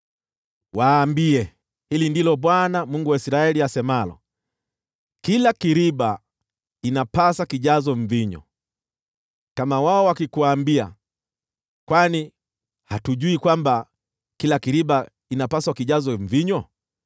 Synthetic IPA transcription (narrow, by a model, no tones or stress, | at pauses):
waːmbiɛ | hilindilɔɓwanamuŋɡuwaisɾaɛliasɛmalɔ̰ | kilakiɾiba | inapasakiʄazɔɱviɲɔ̰ | kamawaɔwakikuwaːmbia̰ | kwani | hatuʄuikwamba | kilakiɾiɓa | inapaswakiʄazɔɱviɲɔ